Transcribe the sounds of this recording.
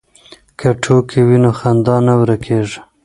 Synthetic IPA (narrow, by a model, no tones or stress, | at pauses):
kʰaʈʰokewinoxand̪ɑnawɾakʰeʐ